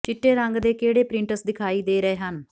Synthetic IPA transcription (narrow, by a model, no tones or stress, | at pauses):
t͡ʃɪʈːeːɾəŋɡd̪eːkeːɽeːpɾɪ̃ɳʈəsd̪ɪkʰaːiːd̪eːɾəeːɦən